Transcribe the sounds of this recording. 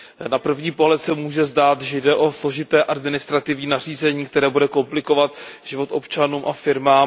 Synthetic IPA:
napr̩vɲiːpo̞ɦlɛt̪sɛmuːʒɛzdaːt̪ʒɛjdɛʔo̞slo̞ʒɪt̪ɛːʔadmɪnɪst̪ɾat̪ɪvɲiːnar̝iːzɛɲiːkt̪ɛɾɛːbudɛko̞mplɪko̞vat̪ʒɪvo̞t̪ʔo̞pt͡ʃanuːmʔafɪɾmaːm

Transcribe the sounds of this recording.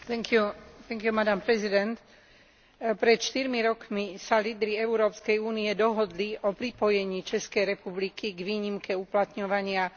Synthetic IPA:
t̪ɛŋkut̪ɛŋkjumad̪ampɾɛzid̪ɛnt̪ | pɾɛt̪ʃt̪iɾmiɾɔkmisaliːd̪ɾiɛuɾɔːpskɛjuːniɛd̪ɔɦɔd̪liʔɔpɾipɔjɛɲiːt͡ʃɛskɛjɾɛpublikiɡʋiːɲimkɛuplat̪ɲɔʋaɲɪa

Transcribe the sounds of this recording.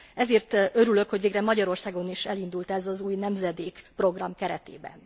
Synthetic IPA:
ɛzeːrt̪ø̞ɾylø̞khoɟveːɡrɛmɒɟɒɾo̞rsaːɡo̞niʃɛlind̪ult̪ɛzɒzuːjnɛmzɛd̪eːkpro̞ɡrɒmkɛɾɛt̪ḛːbɛ̰n

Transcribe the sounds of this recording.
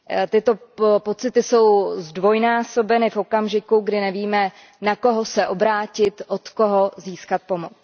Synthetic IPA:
t̪ɪt̪o̞po̞t͡sɪt̪ɪso̞wzdvo̞jnaːso̞bɛnɪfo̞kamʒɪkuɡdɪnɛviːmɛ | nako̞ɦosɛʔo̞bɾaːcɪt̪ʔot̪ko̞ɦoziːskat̪̚pomot͡s

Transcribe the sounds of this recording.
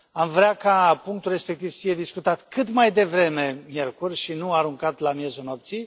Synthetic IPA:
amvɾeakapuŋk̚t̪ulre̞spe̞k̚t̪ivfije̞d̪iskut̪at̪kɨt̪majd̪e̞vɾe̞me̞mje̞rkurʲʃinuaɾuŋkat̪lamje̞zuno̞p̚t̪sij

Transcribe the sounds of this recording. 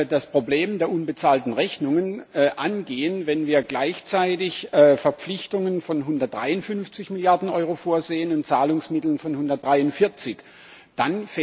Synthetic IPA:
daspʁ̥obleːmdeːɐʔʊnbət͡saːltn̩ʁɛçnʊŋənːʔanɡeːənvɛnviːɐɡlaɪçt͡saɪtɪçfɛɐp͡flɪçtʊŋənfɔnɦʊndɐt̚d̥ʁaɪʊntfʏnft͡sɪçmɪljaɐdn̩ʔɔʏʁofoːɐzeːənʊntt͡saːlʊŋsmɪtl̩nfɔnhʊndɐt̚d̥ʁaɪʊntfɪɐt͡sɪç | d̥anf

